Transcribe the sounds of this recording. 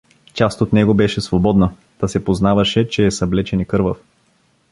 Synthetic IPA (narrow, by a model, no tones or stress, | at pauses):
t͡ʃast̪ot̪nɛɡobɛʃɛsvobɔd̪nə | t̪asɛpoznavɐʃɛt͡ʃɛːsɐblɛt͡ʃɛnɛkɤɾvəf